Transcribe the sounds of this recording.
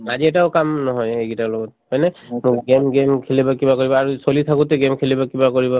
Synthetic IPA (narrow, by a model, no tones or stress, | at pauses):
aziɛtaʊkamnɔɦɔjeɡitalɔɡɔtmajnɛmʊkɡemɡemkʰelibakibakoɹibɔaɹusolit̪ʰakutɛɡemkʰelibakibakoɹibɔ